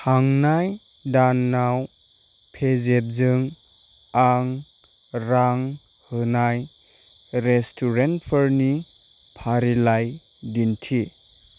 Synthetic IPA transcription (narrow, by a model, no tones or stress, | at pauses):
haŋnaj | danːaw | pʰezep̚zɯŋ | aŋ | ɾaŋ | hɯnaj | ɾestʰuɾentpʰəɾni | pʰaɾilaj | dintʰi